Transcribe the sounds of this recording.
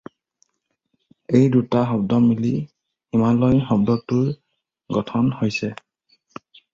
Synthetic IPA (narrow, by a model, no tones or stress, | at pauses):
ejdutaɦɔbdɔmili | imalɔjxɔbdɔtuɹ | ɡɔtʰɔnhojsɛ